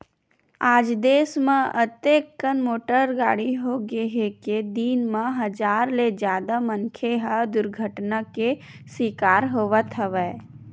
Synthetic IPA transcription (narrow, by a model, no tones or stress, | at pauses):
aːd͡ʒd̪eːsmẽʔət̪eːkːənmoːʈəɾɡaːɽiɦoɡeɦeked̪iːnmãɦɐd͡ʒaːɾled͡ʒjaːd̪aməŋkʰeɦəd̪ʊɾɡʱəʈnake | swiːkaːɾɦoːʋət̪ɦəʋɛː